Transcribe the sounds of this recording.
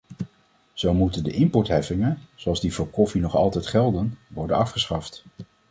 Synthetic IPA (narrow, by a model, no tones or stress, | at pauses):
z̥owmutəndəʔɪmpɔɹtɦɛfɪŋənz̥oɑlˠzdivʊːɹkɔfinɔχɑlˠtɛjtχɛlˠdənʋɔɹdənɑfχəsχɑft